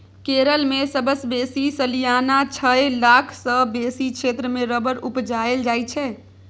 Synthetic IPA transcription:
keɾəlmesəbəsbesisəlijanat͡ʃʰəelakʰsə̃besikʃet̪ɾəmeɾəbəɾupd͡ʒaeld͡ʒajt͡ʃʰɛ

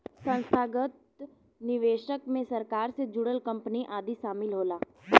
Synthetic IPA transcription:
sə̃nst̪ʰaːɡət̪̚ | nɪʋeːʃəkmẽsɐɾkaːɾsed͡ʒuːɽəlkə̃mpniʔaːd̪isaːmɪlɦoːlaː

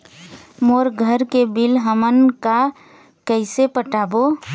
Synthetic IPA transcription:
moɾɡʱəɾkebilɦəmənka | kəɪsepəʈabo

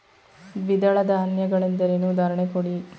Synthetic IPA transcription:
ʋid̪ɐɭɐd̪ʱaːnjɐɡɐɭend̪ɐɾenud̪aːɾɐɳekoɽi

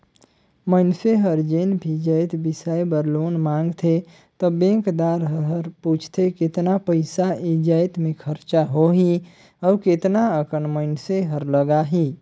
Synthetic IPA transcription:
məɪnseɦəɾd͡ʒenbʱid͡ʒəjt̪bisajbəɾlonmãŋɡt̪ʰe | t̪ɔbẽŋkd̪aɾɦəɦəɾput͡ʃʰt̪ʰeket̪napəɪsaid͡ʒəjt̪mẽkʰəɾt͡ʃaɦoɦi | ɔːket̪naəkənməɪnseɦəɾləɡaɦi

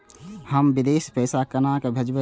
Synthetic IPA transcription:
həmbɪd̪eːspɛːsakənaːkebʱəd͡ʒbə

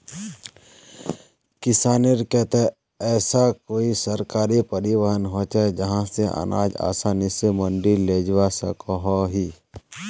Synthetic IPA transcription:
kɪsaːniɾket̪ɛ | ɛːsakoːisəɾkaːɾipəɾɪwəɦənɦoːt͡ʃad͡ʒəɦãseʔə̰na̰ːd͡ʒa̰ːsaːnisemə̃ɳɖileːd͡ʒwasə̰koɦɔɦiː

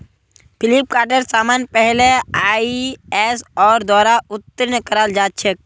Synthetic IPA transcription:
pʰɪlip̚kaːʈəɾsaːmaːnpɛɦleaːiɛsɔːɾd̪ɔːɾaʊt̪ːəɾnəkəɾaːld͡ʒaːt̪̚t͡ʃʰek̚

